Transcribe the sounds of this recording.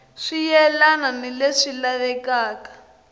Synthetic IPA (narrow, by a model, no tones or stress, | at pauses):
ʂijɛlananileʂilaβɛkaːkḁ